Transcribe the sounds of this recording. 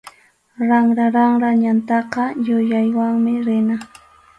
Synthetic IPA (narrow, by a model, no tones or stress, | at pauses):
ɾaŋɾaɾaŋɾaɲant̪ɑqɑjʊjajwaŋmɪɾɪna